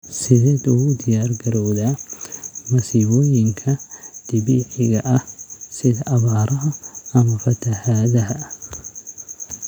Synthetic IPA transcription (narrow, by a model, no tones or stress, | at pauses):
sɪd̪ɛd̪ud̪ɪjaːɾɡɐɾoːd̪ɐ | mɐsiːboːjɪŋkʰɐd̪̥ɪbiħɪɡɐʔɐsɪd̪ɐʔɐβaːɾʔɐhɐɐmɐfɐt̪ɐhad̪ɐɦ